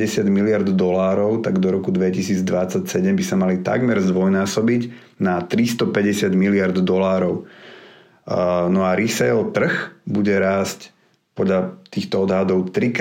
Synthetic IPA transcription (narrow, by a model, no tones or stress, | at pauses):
ɛsɪad̪milɪaɾd̪d̪ɔlaːɾɔʊt̪aɡd̪ɔɾɔkud̪ʋɛcisiːd͡zd̪ʋat͡sacsɛɟɛmbisamalit̪a̰ɡmɛɾzd̪ʋɔjnaːsɔbiɟ | nat̪ɾist̪ɔpɛɟɛsɪad̪milɪaɾd̪d̪ɔlaːɾɔʊ | nɔaɾisɛɔt̪r̩xbuɟɛɾaːsc | pɔd̪ʎat̪iːxt̪ɔɔd̪ɦad̪ɔʊt̪ɾik